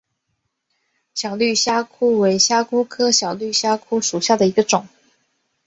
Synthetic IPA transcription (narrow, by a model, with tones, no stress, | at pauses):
ɕjɑ˨˩ʊly˥˩ɕja˥kʰu˥we˧˥ɪɕja˥kʰu˥kʰɤ˥ɕjɑ˨˩ʊly˥˩ɕja˥kʰu˥ʂu˨˩ɕja˥˩d̪ə˩i˧˥ɡə˧ʈ͡ʂʊ˨˩˦ŋ